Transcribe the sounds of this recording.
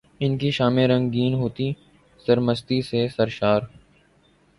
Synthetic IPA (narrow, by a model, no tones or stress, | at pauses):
ɪnkiʃaːmẽɾə̃ŋɡːiːnɦoːt̪i | sɐɾməst̪isesɐɾʃaːɾ